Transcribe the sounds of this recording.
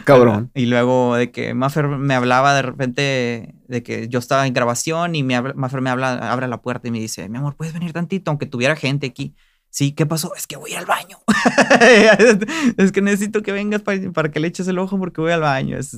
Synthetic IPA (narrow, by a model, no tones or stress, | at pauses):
kaβɾonilwe̞ɣo̞ðekḛmafeɾme̞aβ̞laβaðe̞repe̞nt̪e̞ðe̞kḛʝo̞est̪aβaeŋɡɾaβasjo̞nimeaβmafeɾme̞aβlaa̰βɾealapwe̞ɾt̪aime̞ðise̞̰mjamo̞ɾpweðezβe̞niɾt̪ant̪it̪oaw̃ŋke̞t̪uβje̞ɾaxe̞nt̪e̞aki | sike̞paso̞e̞skeβo̞jalβaɲo̥ | eskene̞ses̬it̪oke̞βe̞ŋɡaspapaɾake̞let͡ʃes̬elo̞xop̬o̞ɾke̞βo̞jalβaɲo̰ḛs